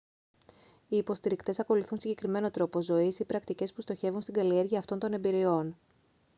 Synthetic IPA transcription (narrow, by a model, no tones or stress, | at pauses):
iːpo̞st̪iɾikt̪e̞sɐko̞luθunsiɲɟekɾime̞no̞t̪ɾo̞po̞zo̞isipɾɐkt̪ice̞spust̪o̞çe̞vunst̪iɡɐlie̞ɾʝiɐːft̪o̞nt̪o̞ne̞mbiɾio̞n